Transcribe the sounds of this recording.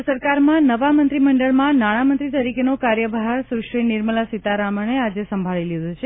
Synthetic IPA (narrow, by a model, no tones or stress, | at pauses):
səɾkaɾmãnəʋamənt̪ɾiməɳɖəɭmãnaɽ̃amənt̪ɾit̪əɾikenokaɾjəbʱɦaɾsɾuʃɾinɪɾməlasit̪aɾaməɳ̃ead͡ʒesəmbʱaɭilid̪ʱut͡ʃʰe